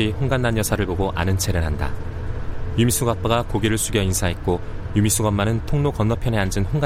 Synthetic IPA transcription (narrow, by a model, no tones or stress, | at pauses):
ihoŋɡanːanjʌsʰaɾɯɭpoɡoʔa̰nɯnt͡ɕʰe̞ɾeɾɦanda̰ | jumis͈ʰuɡap͈aɡakoɡiɾɯɭs͈ʰuɡjʌinsʰaɦe̞t̚k͈ojumis͈ʰuɡʌmːanɯntʰoŋnokʌnːwʌpʰjʌne̞and͡ʑɯnɸoŋɡa